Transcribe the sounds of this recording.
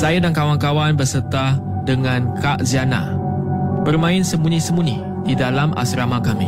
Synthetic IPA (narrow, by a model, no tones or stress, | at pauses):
sajadankawankawanbərsət̪a | dəŋãnkʰaʔziana̰ | bərmãɪnsəmunĩsəmuni | didalamʔa̰sɾamakamḭ